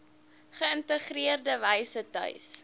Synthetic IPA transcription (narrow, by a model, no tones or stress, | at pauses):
χəəntəχriərdəvɛjsətœ̰ɥs